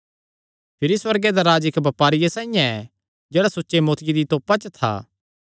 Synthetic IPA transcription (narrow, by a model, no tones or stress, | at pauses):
pʰɪɾiswɐɾɡed̪aɾaːd͡ʒɪkbɐpaːɾɪjasãːĩjãɛ | d͡ʒeːɽasotːʃemoːt̪ʰɪjid̪it̪oːpat͡ʃət̪ʰa̰ː